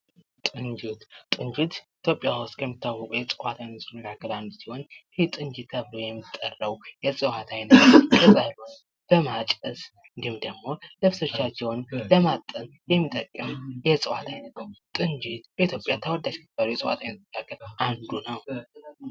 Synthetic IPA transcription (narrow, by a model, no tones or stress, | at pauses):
t̪ʼɨnd͡ʒit̪ʼɨnd͡ʒit̪it̪ʰjo̞pʼːjawʊst̪ʼkʰəmːit̪ːawːɔkʼjɛt͡sʼɨwat̪ʰajnət̪sɨnːəɡaɡːəland̪siho̞n | t̪ʼɨnd͡ʒɨt̪kʰəβlojɛmːit̪ʼːərːəwjɛsʼɨwat̪ʰajnət̪kʰəzalon | b̥əmat͡ʃʼəs | ɨnd̪ihɨmd̪əɡmo̞lɨβsət͡ʃːat͡ʃːɛwnləmat̪ʼən | jɛmːit̪ʼːəkʼːɨmjɛt͡sʼɨwa̰t̪ʰajnət̪nəwt̪ʼɨnd͡ʒɨt̪bəit̪jo̞pʼjat̪ʰəwəd̪ad͡ʒkʰɨb̥əɾjɛsʼɨwa̰t̪ʰajnəɡaɡːəland̪unəw